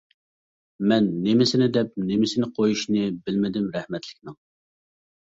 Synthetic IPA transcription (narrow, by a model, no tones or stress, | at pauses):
mɛnːemɪsɪnɪd̪ɛp̚nemɪsɪnɪqʰojuʃnɪbɪlmɪd̪ɪmɾɛhmɛt̪ʰlɪkʲnɪŋ